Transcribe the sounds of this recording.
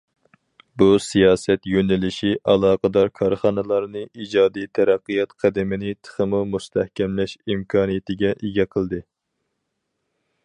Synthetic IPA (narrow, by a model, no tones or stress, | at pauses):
busijɑːsɛt̪jønɪlɪʃiʔɑlˠɑːqəd̪ɑɾkʰɑɾχɑnɨlˠɑɾnɨʔid͡ʒɑːd̪ijt̪ʰæɾæqːɨjɑt̪qʰæd̪ɪmɪnɪt̪ʰə̥χəmumust̪ʰɛhkʲɛmlɛʃimkʰɑːnijɪt̪ɪɡʲɛʔeɡʲɛqʰəlˠd̪ɨ